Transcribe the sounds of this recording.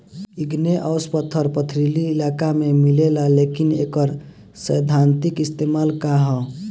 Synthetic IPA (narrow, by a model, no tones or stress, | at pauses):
iɡneʔəʊspət̪ʰːəɾpət̪ʰɾiliːlakamemilelalekinḛkəɾ | səjd̪ʱant̪ikist̪emalkaɦɔ̃